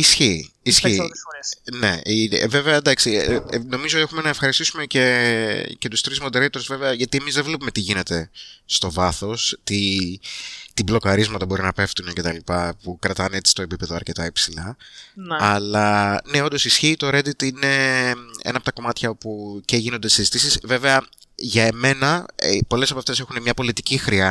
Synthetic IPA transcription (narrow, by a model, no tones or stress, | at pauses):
isçiisçi | ne̞̰ive̞veɐd̪ɐksino̞mizoie̞xume̞nɐefxɐɾist̪isume̞cece̞t̪ust̪ɾizmo̞d̪eɾejt̪ozveveɐʝɐt̪ie̞mizðevlepume̞t̪iʝine̞t̪e̞st̪o̞vɐθo̞st̪i | t̪iblo̞kɐɾizmɐt̪ɐbo̞ɾinɐpe̞ft̪unece̞t̪ɐlipɐpukɾɐt̪ɐne̞t͡si̥st̪o̞e̞pipe̞ðoɐɾce̞t̪ɐepsilɐnɐlɐne̞o̞nd̪o̞sisçiːt̪o̞ɾe̞d̪it̪ine̞ḛnɐpot̪ɐko̞mɐt̪çɐo̞puce̞ʝinond̪esizit̪isisve̞ve̞ɐ | ʝɐeme̞nɐpo̞le̞sɐpɐft̪e̞se̞xunemɲɐpo̞lit̪icixɾiɐ